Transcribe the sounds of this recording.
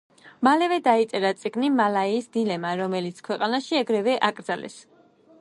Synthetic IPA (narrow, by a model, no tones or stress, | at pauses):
malɛvɛd̪ait̪sʼɛɾat̪sʼiɡnimalaiːsd̪ilɛmaɾɔmɛlit̪sʰkʰwɛqʼanaʃiaɡɾɛvɛʔakʼɾd̪zalɛ̰s